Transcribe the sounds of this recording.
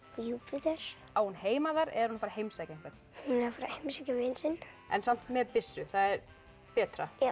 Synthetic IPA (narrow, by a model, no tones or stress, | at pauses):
juːpvɪðɛɾ̥ | awhunheːjmaðaɾɛ̰ðɾhunafaːɾaɦejmsajcaɪŋkvɛt̪nhunɛfaːɾahejmsacavɪːnsɪn | ɛ̰nsam̥t̪mɛðpɪsːʏθaðɛɾ | pɛːt̪ɾaja